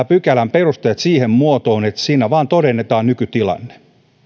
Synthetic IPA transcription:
pykælæmperust̪ejɑt̪siːhemmuot̪oːnet̪siːnæʋɑːnt̪odenːet̪ɑːnnykyt̪ilɑ̰nːe̥

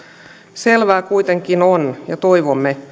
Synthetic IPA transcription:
selʋæːkuit̪eŋkinonjɑt̪oiʋomːe

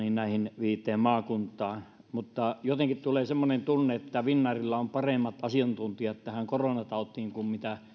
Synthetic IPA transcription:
ninnæˑihinʋiːt̪ːˑeːmmɑːkunt̪ˑɑːn | mut̪ːɑjot̪eŋkit̪t̪uleːsemːonent̪unːeet̪ːæʋinːɑrilːɑompɑremːɑt̪ɑsiɑnt̪unt̪iɑet̪t̪ːæhæŋkoronɑt̪ɑˑot̪ːiiŋkummit̪æ

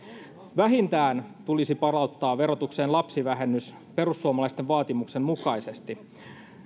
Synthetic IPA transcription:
ʋæɦint̪æːnt̪ulisipɑrɑut̪ːɑːʋe̞ɾo̞t̪ukse̞ːnlɑpsiʋæɦe̞nːys | pe̞ɾusːuomɑlɑist̪eʋʋɑːt̪imukse̞nmukɑjse̞st̪i

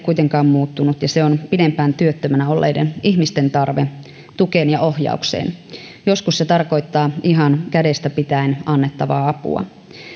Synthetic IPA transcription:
kuit̪eŋkɑːmmuːt̪ːunut̪jɑseonpidempæːnt̪yøt̪ːømænæolːʔḛjdenihmist̪e̞nt̪ɑrʋe | t̪ukeːnjɑʔo̞hjɑ̰uksḛːn | jo̞skusset̪ɑrko̞it̪ːɑːiɦɑnkæde̞st̪æpit̪æinɑnːet̪ːɑʋɑ̰ːɑpṵɑ̰

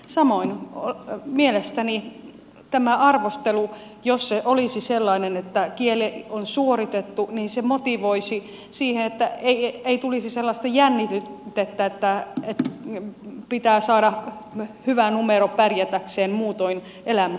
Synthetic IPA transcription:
sɑmoinomielest̪æni | t̪æmæʔɑrʋost̪elu | josseʔolisiselːɑinenet̪ːækielionsuorit̪et̪ːuniːnsemot̪iʋoisi | siːhenet̪ːæeieit̪ulisiselːɑst̪ɑjænːit̪yt̪et̪ːæet̪ːæet̪ | pit̪æːsɑːɾɑ | hyʋænumeɾopærjæt̪ækseːmmuːt̪oin | elæmæ

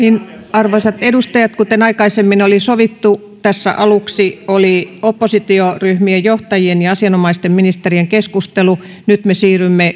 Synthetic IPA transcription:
niːn | ɑrʋoisɑt̪edust̪ɑjɑt̪kut̪enɑikɑisemːinolisoʋit̪ːu | t̪æsːæ̰ʔɑluksioliopːosit̪ioryhmiejjoht̪ɑjienjɑɑsiɑnomɑist̪emminist̪erieŋkeskust̪elu | nyt̪mesiːrymːe

